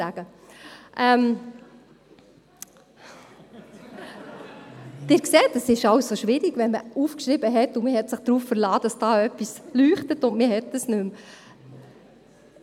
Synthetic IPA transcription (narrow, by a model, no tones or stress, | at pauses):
æɡ̥əʔɛm | d̥ɪːɾkseːtəsɪʃɑʊwssoʃʋɪɾiɡ̥ʋɛnməufkʃɾɪbəɦɛtʊmɪɦɛtsɪχd̥ɾuːffəɾlɑ̥ːɑsd̥ɑːœpːislyːχtətʊndmɪɦɛt̚dəsnʉm